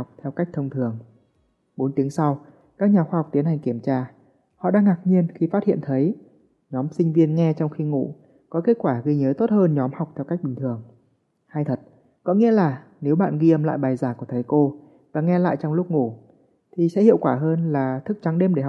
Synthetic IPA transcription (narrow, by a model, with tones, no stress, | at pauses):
wk͡p̚t̪ʰɛ˧wka˦˥k̚t̪ʰə˧wŋ͡mt̪ʰɨ˨˩əŋ | ɓo˨˦nt̪i˨˦əŋsa˧w | kaː˦˥k̚ɲaː˨˩xwaː˧hk͡p̚t̪ənha˨˩ŋki˧˩əmt͡ɕaː˧ | hɔ̰˧˨ɗaː˧ŋːaː˨˩k̚ɲi˧ənxi˧faː˦t̚hḭ˧˨ə˨nt̪ʰə˨˦j | ɲɔ˨˦msï˧ŋ̟vi˧ənŋɛ˧t͡ɕɔ˧wŋ͡mxi˧ŋṵ˧˨ | kɔ˨˦ke˦˥t̚kwaː˧˩ɣi˧ɲəː˨˦t̪o˦˥t̚həː˧nɲɔ˨˦mha˨˩wk͡p̚t̪ʰɛ˧wka˦˥k̟̚ɓï˨˩ŋ̟t̪ʰɨ˨˩əŋ | haː˧jt̪ʰə˨˩t̚ | kɔ˧˦ŋḭ˧˥əlaː˨˩ | ne˨˦wɓa̰ː˧˨nɣi˧ʔə˧˩mla̰ː˧˨jɓaː˨˩jzaː˧˩ku˧˩ət̪ʰə˨˦jko˧ | vaː˨˩ŋɛ˧la̰ː˧˨jt͡ɕɔ˧wŋ͡mlʊ˦˥k͡p̚ŋu˧˩ | t̪ʰi˨˩sɛ̰˧˥hḭ˧˨əwkwaː˧˩ɦəː˧nlaː˨˩t̪ʰɨ˦˥k̚t͡ɕa˨˦ŋɗe˧mɗe˧˩h̚